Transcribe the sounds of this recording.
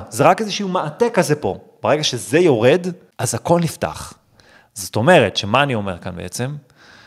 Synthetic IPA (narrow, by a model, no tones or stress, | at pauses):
zeʁakezeʃiumeʔatekazepo̞̰ | b̥aʁeɡaʃezejo̞ʁe̞d | ʔazako̞lnifta̰χ | zoto̞me̞ʁetʃemaːnio̞meʁkanbeʔet͡sem